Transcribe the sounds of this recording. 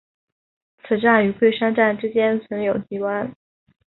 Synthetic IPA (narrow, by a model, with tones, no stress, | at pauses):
t͡sʰɹ̩˨˩ʈ͡ʂa˥˩ny˧˥kwe˥˩ɪʂa˥nʈ͡ʂa˥˩nʈ͡ʂɻ̩˥t͡ɕjɛ˥nt͡sʰwə˧˥ŋjo˨˩ʊt͡ɕi˧˥wa˥n